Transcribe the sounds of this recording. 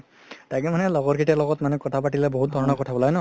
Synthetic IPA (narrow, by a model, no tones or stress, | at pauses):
takɛmanɛlɔɡɔɹkʰitalɔɡɔtmanɛkɔtʰapaʈilɛboɦut̚dʱɔɹɔnɔkɔtʰabɔlaɡnɔ